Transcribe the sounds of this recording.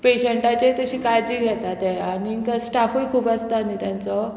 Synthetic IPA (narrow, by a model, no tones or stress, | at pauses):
peɕeɳʈat͡ɕet̪əɕiːkad͡ʑiːɡʱɛt̪at̪ɛaɽikəsʈafoikʰuːbast̪anit̪jant͡sɔ